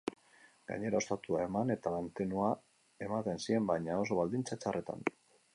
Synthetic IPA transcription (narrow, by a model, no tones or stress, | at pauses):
ɡ̥a̰ɲe̞ɾao̞st̪at̪uae̞mane̞t̪alant̪enua | e̞mat̪e̞nsie̞mbaɲao̞s̬o̞βald̪int͡sat͡ʃarʔe̞t̪a̰n